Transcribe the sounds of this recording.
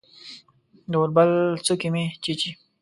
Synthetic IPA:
d̪oɾbalt͡sukimet͡ɕit͡ɕi

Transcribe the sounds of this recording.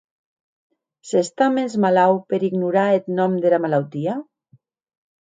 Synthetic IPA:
sest̪amezmalawpeɾiɡnuɾaet̪nɔmd̪elamalawt̪ia

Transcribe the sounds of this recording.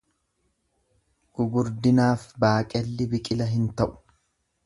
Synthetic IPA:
ɡ̥ʊɡʊɾd̪ɪnaːfbaːkʼɛlːɪbɪkʼɪlɐɦɪnt̪ɐʔʊ̥

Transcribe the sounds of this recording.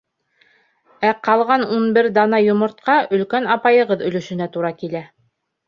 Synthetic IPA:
æqɑlˠʁɑnunbɘɾd̪ɑnɑjŏmŏɾt̪̚qɑʔɵ̆lkænɑpɑjɤ̆ʁɤðɵ̆lɵ̆ʃɵ̆næt̪uɾɑkilæ

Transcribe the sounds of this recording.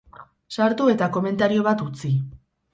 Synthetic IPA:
saɾt̪ue̞t̪ako̞me̞nt̪aɾio̞β̞at̪ut͡si

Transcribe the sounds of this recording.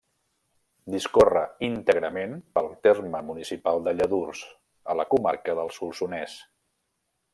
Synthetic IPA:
d̪iskorəint̪əɣɾəmenpəlˠt̪erməmunisipalˠd̪əʎəðurz̥ | ələkuma̰ɾkəðəlˠsulˠsunɛs

